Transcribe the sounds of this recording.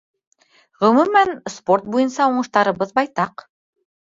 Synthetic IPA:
ʁɵ̆mʉmænsport̪̚bujɤnsɑuɴɤ̆ʃt̪ɑɾɤ̆βɤðbɑjt̪ɑq

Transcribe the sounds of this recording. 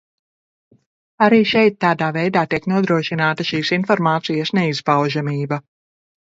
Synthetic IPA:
aɾiːʃɛjt̪̚ːaːd̪aːvɛjd̪aːt̪iɛknuɔd̪ɾuɔʃinaːt̪aʃiːsinfɔɾmaːt̪sijasnɛizpawʒamiːbɐ

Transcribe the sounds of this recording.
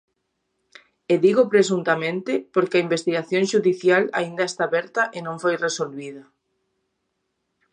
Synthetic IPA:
eðiɣopɾes̬unt̪amẽnt̪ɪpoɾkɪɐimbest̪iɣaθjõŋʃuðiθjala̰ĩnd̪ɐest̪aβɛɾt̪ɐʔenõŋfojresolβiðɐ

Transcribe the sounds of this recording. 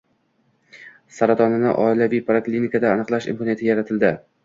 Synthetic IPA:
saɾat̪ʰɒnɪnɪ̰ʔɒ̰ɪlavijpʰɾoklʲinikʰad̪aːnɨqlˠaʃɪ̰mkɒnjat̪ʰɪjaɾat̪ʰɪld̪ɪ

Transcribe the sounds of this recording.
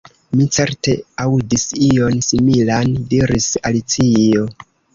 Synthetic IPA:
mit͡se̞ɾte̞audisio̞nsimilandiɾisalit͡sio̞

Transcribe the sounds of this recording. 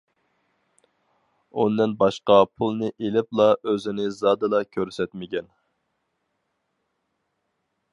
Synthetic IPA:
und̪ɪnbɑʃqɑpʰulˠnɨʔelɪplˠɑʔøzɪnɪzɑd̪ɨlˠɑkʲʰøɾsɛt̪mɪkʲɛn

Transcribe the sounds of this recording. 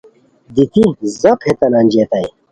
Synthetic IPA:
d̪it̪izɐphet̪ɐnaːnʲd͡ʑiet̪ɐj

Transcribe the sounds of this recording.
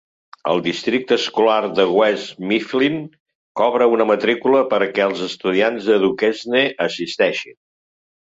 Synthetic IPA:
ə̰lˠd̪ist̪ɾik̚t̪əskularðəɣwɛzmiflin | kɔβɾəunəmət̪ɾikuləpəɾkɛəlˠzəst̪uðianzðəðukɛzneʔəsist̪ɛʃin

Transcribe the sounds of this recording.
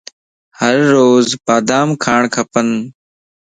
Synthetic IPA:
həɾːoːzpaːd̪aːmkʰaːɳkʰəpən

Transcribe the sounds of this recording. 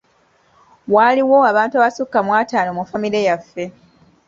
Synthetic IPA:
waliwo̞aβaːntuaβasukːamwaːtaːnoːmufamiɾejafːe̞

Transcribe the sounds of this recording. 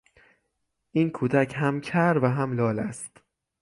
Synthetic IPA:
ʔiːnkʰuːd̪æcʰɦæmcʰæɾvæɦæmlɒːlæst̪

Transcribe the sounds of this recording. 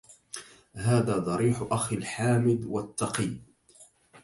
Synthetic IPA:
haːðaːd̪ˤɑɾiːħʔaxalħaːmɪd̪wat̪ːɑqiː

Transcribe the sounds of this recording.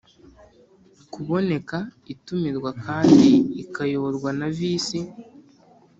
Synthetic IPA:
kuβo̞ne̞kaitumiɾɡwakaːndiːkajo̞βoɾɡwanaviːsi

